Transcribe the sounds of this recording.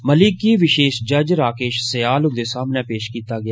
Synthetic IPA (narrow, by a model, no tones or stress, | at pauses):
məlɪkːiːʋɪʃeːʃd͡ʒəd͡ʒɾaːkeːʃsəjaːlʊ̃nd̪eːsaːmnẽːpeːʃkiːt̪aːɡɪja